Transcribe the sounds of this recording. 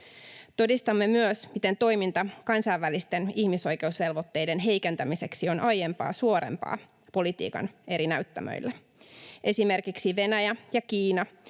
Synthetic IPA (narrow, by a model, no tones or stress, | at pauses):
t̪o̞dist̪ɑmːe̞myøsmit̪e̞nt̪o̞jmint̪ɑkɑnsɑjʋːælist̪e̞niçmiso̞jke̞usʋe̞lʋo̞t̪ːe̞jde̞nɦe̞jke̞nt̪æmiseksio̞nʔɑje̞mpɑ̰ːsuo̞ɾḛmpɑ̰ː | po̞lit̪ḭːkɑ̰ne̞ɾinæɥt̪ːæ̰mø̰jlːe | ʔe̞sime̞rkiksiʋe̞næjæjɑkiːnɑ